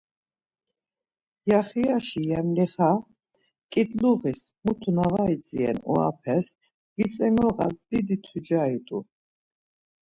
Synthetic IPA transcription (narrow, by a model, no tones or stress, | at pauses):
jaχiaʃijɛmliχa | kʼid̪ʼluʁis | mut̪ʰunavait͡sʼiɛ̰nṵa̰pʰɛs | visʼɛnɔʁa̰sd̪id̪it̪ʰid͡ʒait̪ʼu